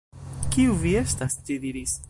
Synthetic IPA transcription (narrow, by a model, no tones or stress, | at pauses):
kiuvie̞stast͡ʃidiɾis